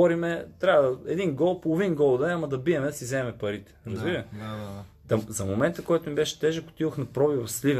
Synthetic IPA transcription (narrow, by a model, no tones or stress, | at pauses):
ɔɾimɛt̪ɾʲavəd̪ɐɛd̪inɡɔlˠpolˠovinɡɔlˠd̪ɛamɐd̪ɐbiɛmɛd̪ɐsizɛmɛpɐɾit̪ɛ̥ɾɐzbiɾɐ | d̪ɐzɐmomɛnt̪əkɔjt̪ʊnibɛʃɛ̥t̪ɛʒɛkʊ̥t̪iðoxnɐpɾɔbivɐsliv